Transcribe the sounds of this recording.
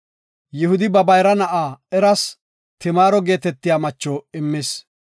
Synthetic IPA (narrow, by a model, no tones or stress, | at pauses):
jɪhʊd̪ɪbɐbɐjɾɐnɐʔaːɛɾɐs | t̪ɪmaːɾɔɡe̞ːt̪ɛt̪ːɪjaːmɐt͡ʃːɔɪmːɪs